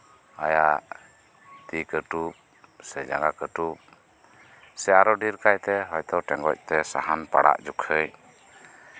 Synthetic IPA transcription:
ajaʔʔ | t̪ikəʈup̚ | sɛd͡ʒaŋɡakəʈup̚ | sɛaɾɔɖiɾkajt̪ɛɦɔjt̪ɔʈɛŋɡɔc̚ˀt̪ɛsaɦanpa̰ɽa̰ʔd͡ʒukʰəj

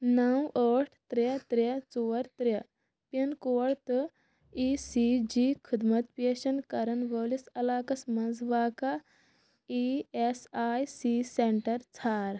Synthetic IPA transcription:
nɐwəːʈʰt̪ɾet̪ɾet͡soːɾt̪ɾɐ | pɐnkoːɽt̪ɨ | iːsid͡ʒiːkʰid̪mɐt̪peːʃɐnkɐɾɐnʋəːlisɐlaːkɐsmɐnd͡zʋaːka | iesaːjsiːseɳʈɐɾt͡sʰaːɾ

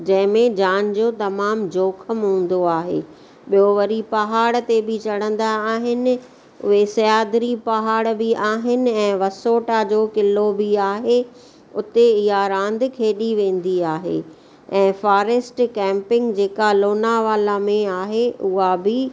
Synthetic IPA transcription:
d͡ʑɐ̃ɦɪ̃mẽd͡ʑaːn̆d͡ʑoːt̪ɐmaːmd͡ʑoːkʰəmɦũːn̆d̪oaːɦḛː | ɓijoʋɐɾipɐɦaːɽt̪ebɪt͡ɕɐɽə̃nd̪aːɦɪnɪ̆ | ʊ̰ɦesɐjaːd̪ɾipɐɦaːɽbɪʔaːɦɪnɪ̆ɛ̃ːʋɐsoːʈad͡ʑoːkɪlobɪaːɦe | ʊt̪eɪɦaɾãːn̆d̪ʱkʰeːɗiʋẽːn̆d̪iaːɦḛ | ɛ̃ːfaːɾeːsʈkɛ̃ːmpɪ̃ŋɡd͡ʑeːkaloːnaʋaːlamẽaːɦeʊɦabɪ

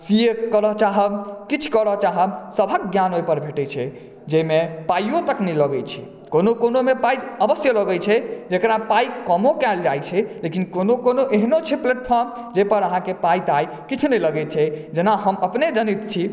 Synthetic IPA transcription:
sijekəɾəɦt͡ʃaɦəbkit͡ʃʰkəɾət͡ʃaɦəmsəbʱək̚ɡjanojpəɾbʱeʈɛt͡ʃʰɛ | d͡ʒejmepajot̪əknɛləɡət͡ʃʰḭ | konokonomepajəbəsjələɡət͡ʃʰɛd͡ʒekɾapajkəmokɛld͡ʒajt͡ʃʰɛlekinkonokonoʔeɦnot͡ʃʰɛplɛʈpʰɔɾm | d͡ʒepəɾəɦãkepait̪aj | kit͡ʃʰnələɡɛt͡ʃʰɛd͡ʒenaɦəməpned͡ʒənit̪t͡ʃʰi

